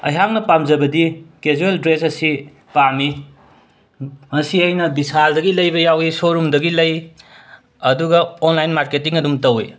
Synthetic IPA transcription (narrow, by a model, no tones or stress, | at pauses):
ɐ̰jɦaŋnɐpamzɐbɐdikezuɾeldɾesɐsi | pami | mɐsiɐjnɐbisaldɐɡilɐjbɐjawisoɾumdɐɡilɐj | ɐduɡɐonlajnmaɾketiŋɐdumtɐwe